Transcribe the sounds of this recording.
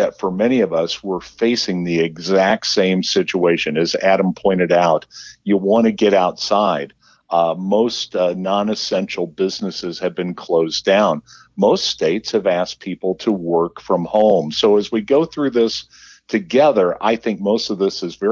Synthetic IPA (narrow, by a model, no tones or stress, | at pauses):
ɨtfə˞mɛñiʌvʌswɪɹfeɪsɪ̃ŋðiɨɡzæk̚tsẽɪ̃msɪt͡ʃueɪʃɨ̃nɨzæɾə̃m̩pʰɔ̃ɪ̃ɾ̃ɨɾaʊtɨwɑ̃ñɨɡɛɾaʊtsaɪd̥̚ | moʊstnɑ̃nɨsɛ̃nʃl̩ˠbɪznɨsɨz̥ɨvbɨ̃nkʰl̥oʊzdãʊ̃n | moʊststeɪtshɨvæspʰipl̩ˠtʰəwɜ˞kfɹʌ̃mhõʊ̃msoʊɨzwiɡoʊθɹʉðɪs | tʰɨɡɛðə˞ʔa̰ɪθɪ̃ŋk̚moʊstʌvðɪsɨzvɛ